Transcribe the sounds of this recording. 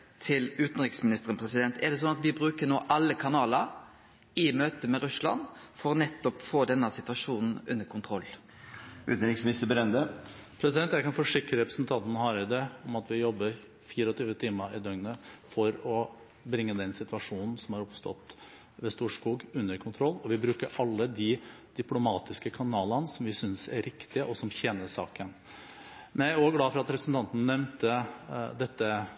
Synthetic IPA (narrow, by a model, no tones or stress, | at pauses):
t̪ʰɪlʉːt̪n̩ɾɪksmɪnɪst̪əɾənpʰɾɛsɪd̪ɛnt̪ɛɖ̪ɛs̬ɔnɑt̪ʋɪbɾʉːkəɳoːʔɑlːəkʰɑnɑːləɾ | ɪmøːt̪əmɛɾʉslɑ̰nfɔɾɔnɛt̪ːɔpfoːd̪ɛnːəsɪt̪ʋɑʂuːnn̩ʉ̰nːəɾkʰʊnt̪ʰɾɔlː | ʉ̰ːt̪n̩ɾɪksmɪnɪst̪əbəɾɛnd̪əpʰɾɛsɪd̪ɛnt̪jæɪkɑnfɔʂɪkɾəɾɛpɾəsnt̪ʰɑnt̪nhɑɾɪd̪ɛɔmɑt̪ʋɪjɔbːə | fiːɾəɔt̪ʰyːʋət̪ʰiːməɪd̪œŋnəfɔɾɔ | bɾɪŋːəd̪ɛnsɪt̪ʉʋɑʂuːnn̩sɔmhɑɾɔpst̪ɔ̰t̪ː | ʋɛst̪uːʂkuːɡʉnːəɾkʰʊnt̪ʰɾɔlːɔʋɪbɾʉːkəɾʔɑlːəd̪ɪd̪̥ʏplʊmɑːt̪ɪskəkʰɑnɑːlənəsɔmʋɪsʏnsæɾɾɪkt̪ɪəʔɔsɔmçɛnəʂɑ̰ːkən | mɛnæɾoːɡlɑːfɔɾɑt̪ɾɛpɾəsn̩t̪ɑnt̪nnɛmnt̪əd̪ɛt̪ːə